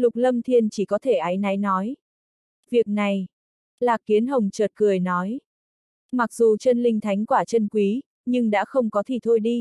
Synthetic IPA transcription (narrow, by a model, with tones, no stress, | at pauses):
lʊ˨˩k͡p̚lə˧mt̪ʰi˧ənt͡ɕi˧˩kɔ˨˦t̪ʰe˧˩ʔa˨˦jna˨˦jnɔ˨˦j | vi˨˩ək̚na˨˩j | laː˨˩ki˨˦ənɦə˨˩wŋ͡mt͡ɕəː˨˩t̚kɨ˨˩əjnɔ˨˦j | ma˨˩k̚zu˨˩t͡ɕə˧nlï˧ŋ̟t̪ʰa˨˦jŋ̟kwaː˧˩t͡ɕə˧nkwi˨˦ | ɲɨ˧ŋɗa̰ː˧˥xə˧wŋ͡mkɔ˨˦t̪ʰi˧˩t̪ʰo˧jɗi˧